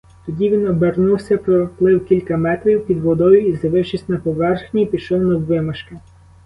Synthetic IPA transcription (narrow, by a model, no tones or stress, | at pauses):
t̪ɔdʲiʋʲinɔbernuwsʲɐpɾɔplˠɪwkʲilʲkɐmɛt̪ɾʲiwpʲid̪ʋɔd̪ɔjʊizɐʋɪʃisʲnɐpɔʋɛrxnʲipʲiʃɔwnɐwʋɪmɐʃkɪ